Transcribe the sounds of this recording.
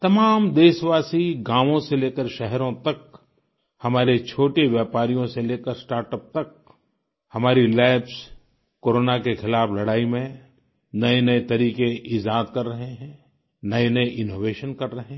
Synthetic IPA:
t̪ɐmaːmd̪eːʃʋaːsiɡãːʋõseleːkəɾʃɛɦɛɾõt̪ɐk̚ | hɐmaːɾet͡ʃʰoːʈeʋjaːpaːɾijõseleːkəɾsʈaːɾʈəp̚t̪ɐk̚ | hɐmaːɾilaːɪps | koːɾoːnakexʰɪlaːflɐɽaːimẽ | nɐenɐet̪ɐɾiːkeʔɪd͡ʒaːt̪kɐɾːɐɦeɦɛ̃ | nɐenɐeʔɪnoːʋeːʃənkɐɾːɐɦẽ

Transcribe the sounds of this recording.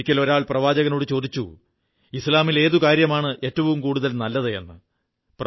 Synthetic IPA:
kʲːɐlo̞ɾaːɭprɐʋaːd͡ʑɐɣɐno̞ːɽɨt͡ɕo̞ːd̪it͡ɕːṵ | islaːmile̞ːðukaːɾjɐmaːɳɨʔe̞ːtːɐʋumkuːɽuðɐlnɐlːɐðeḛnːɨ | pr

